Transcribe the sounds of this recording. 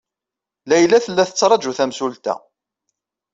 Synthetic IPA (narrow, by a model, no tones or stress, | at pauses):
læjlæθəlːæθət͡sːɾˤɑd͡ʒuθæmsult̪æ̰